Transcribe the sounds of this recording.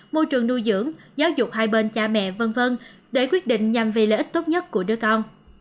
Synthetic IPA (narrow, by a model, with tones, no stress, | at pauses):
mo˧jt͡ɕɨ̰˨əŋːnu˧jzɨ̰˧˥əŋzaː˨˦wzʊ˨˩k͡p̚haː˧jɓe˧nt͡ɕaː˧mɛ̰˧˨və˧nvə˧n | ɗe˧˩kwi˦˥ət̚ɗḭ̈˧˨ŋ̟ɲa˨˩mvi˨˩ləː˧˨ʔi˦˥t̪o˦˥t̚ɲə˦˥t̚ku˧˩əɗɨ˨˧˦əkɔ˧n